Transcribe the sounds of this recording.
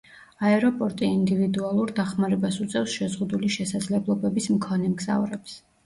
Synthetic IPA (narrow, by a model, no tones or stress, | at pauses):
aɛɾɔpʼɔɾt̪ʼiind̪ivid̪ualˠuɾd̪aχmaɾɛbasut̪sʼɛfsʃɛzʁud̪uliʃɛsad̪zlɛblˠɔbɛbismkʰɔnɛmɡza̰vɾɛps